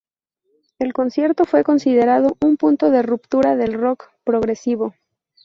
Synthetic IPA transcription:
e̞lko̞nsje̞ɾt̪o̞fwe̞ko̞nsið̞e̞ɾað̞o̞ʔumpunt̪o̞ðerupt̪uɾaðe̞lro̞kpɾo̞ɣɾe̞siβo̞

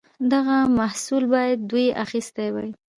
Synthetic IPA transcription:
d̪aɣamahsulbɑjad̪̚ːujʔaxist̪ajwaj

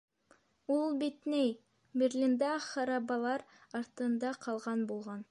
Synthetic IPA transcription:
ulˠbet̪nej | beɾlʲind̪ɑχɑɾɑbɑlˠɑɾɑɾt̪ɯnd̪ɑqʰɑlˠʁɑnbolˠʁɑn

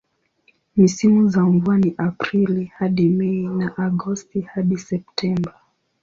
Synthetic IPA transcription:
misimuzaɱvuaniʔapɾilihaɗimɛinaʔaɡɔstihaɗisɛp̚tʰɛmba

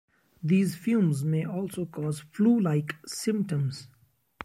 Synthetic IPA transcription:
d̪iːzfjũːmzmeːʔɔːlsoːkɔːzfluːlaɪksɪ̃mp̚ʈə̃mz̥

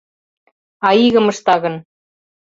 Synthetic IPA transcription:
ɑiɣə̆mɤ̆ʃt̪ɑɣɤ̆n

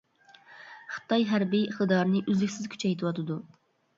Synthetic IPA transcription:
χɨ̥t̪ɑjɦæɾbiχt̪ɨd̪ɑɾnɨʔyzlɪkʲsɪzkʲʰy̥t͡ʃʰɛjt̪ʰɨwɑt̪ʰɨd̪u

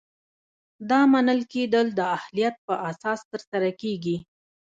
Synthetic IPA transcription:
d̪ɑmanəlked̪əld̪əahlijat̪̚pəʔasɑst̪əɾsaɾakeɡi

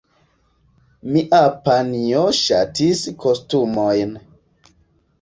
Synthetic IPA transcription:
miʔapanioʃatiskostumojn

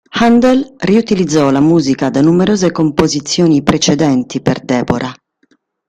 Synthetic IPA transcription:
hand̪ɛlriut̪ilid̪zːɔlamuːzikad̪anːumeɾoːzekompozit̪sːjoːnipɾet͡ʃɛd̪ɛnt̪iperd̪ɛːboɾʔa

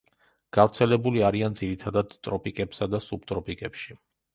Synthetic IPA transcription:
ɡ̥avɾt̪sʰɛlɛbuliaɾiand̪ziɾit̪ʰad̪ad̪t̪ʼɾɔpʼikʼɛpsad̪asub̚t̪ʼɾɔpʼikʼɛpʃi

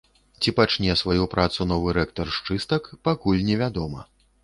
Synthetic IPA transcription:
t͡sʲipat͡ʂnʲɛsvajupɾʔat̪sunɔvɨɾɛkt̪ɐrʂt͡ʂɨst̪ɐkpakulʲnʲɛvʲad̪ɔmɐ

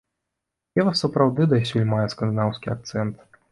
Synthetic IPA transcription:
ɛvɐsɐpɾawd̪ɨd̪ɐjsʲulʲmajɛsknd̪ɨnawskʲiak̚t̪sɛnt̪

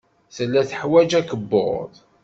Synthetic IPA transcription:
θəlːæθəħwæd͡ʒækəbːo̰ðˤ

